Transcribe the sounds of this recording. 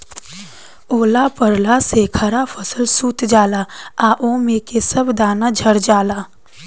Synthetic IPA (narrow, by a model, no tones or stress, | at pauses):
oːlapəɾlasekʰəɾapʰəsəlsuːt̪d͡ʒaːlaːaːʔoːmẽːkesəbd̪aːnad͡ʒʱəɾd͡ʒaːlaː